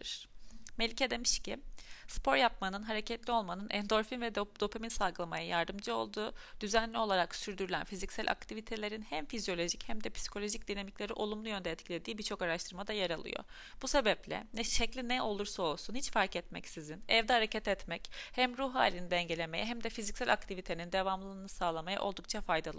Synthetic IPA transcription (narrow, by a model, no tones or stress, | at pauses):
ɾ̥mɛlʲcʰed̪e̞miʃcɪspʰo̞ɾjap̚manɯnɦaɾecʰɛt̪lʲio̞lˠmanɯnʔɛnd̪o̞ɾfinvɛd̪d̪o̞pʰeminsalˠɡɯlˠamajajaɾd̪ɯmd͡ʒɯo̞̰lˠd̪uːd̪yzænlʲio̞lˠaɾaksyɾd̪yɾylʲæ̰nfizicsælʔa̰k̚t̪ʰivit̪ʰe̞lʲe̞ɾinhæmfizijo̞lʲo̞ʒichæmd̪ɛpʰsi̥kʰo̞lʲo̞ʒic̚d̪inamiclʲe̞ɾiʔo̞̰lˠumlˠujø̞nd̪ɛːt̪cʰilʲe̞d̪iːbiɾt͡ʃʰo̞kaɾaʃt̪ʰɯɾmad̪ajaɾalˠɯ̰jo̰ | b̥use̞bɛplʲɛ̰nɛʃɛclʲinɛʔo̞lˠuɾsao̞lˠsunhit͡ʃfaɾkɛt̪mɛ̰csizinɛvd̪ɛhaɾecʰat̪ɛt̪mɛchæmɾuɦɦaːlʲinid̪ɛɲɟelʲe̞mejɛɦæmd̪ɛfizicsælʔak̚t̪ʰivit̪ʰe̞nind̪evamlˠɯnɯsaːlˠamaja̰ʔo̞lˠd̪uk̚t͡ʃʰafajd̪alˠɯ